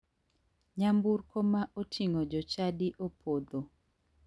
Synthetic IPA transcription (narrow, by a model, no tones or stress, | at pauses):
ɲambuɾkomaʔotʰiŋod͡ʒɔt͡ʃadiʔopʰod̪o